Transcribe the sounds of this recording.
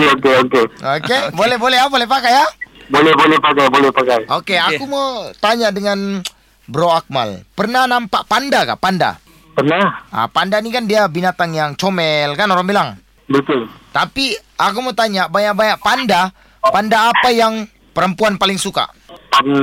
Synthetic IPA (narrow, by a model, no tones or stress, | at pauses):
okeokeokebolɛhbolɛɦabolɛhpakajabolɛhbolɛhpakajbolɛhpakajokeakumot̪aɲaʔdəŋan | bəɾoak̚ma̰lpərnahnampaʔpandaka̰ʔpanda̰ | pərnaha̰pandanikandiabinat̪aŋjaŋt͡ʃomɛlkanoɾaŋbilaŋ | bət̪ʊlt̪apiakumot̪aɲaʔbaɲak̚baɲaʔ̚panda | pandaːpajaŋ | pəɾəmpuanpalɪŋsuka̰pa